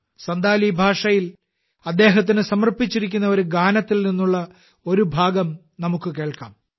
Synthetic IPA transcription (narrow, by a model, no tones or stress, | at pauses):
sɐnd̪aːlibʱaːʂɐjil | ɐd̪ːe̞ːɦɐt̪̬ːinɨsɐmɐrpit͡ɕːiɾikʲːunːɐo̞ɾuɡaːnɐt̪ːilninːuɭːɐ | o̞ɾubʱaːɡɐm | nɐmukːɨke̞ːɭkaːm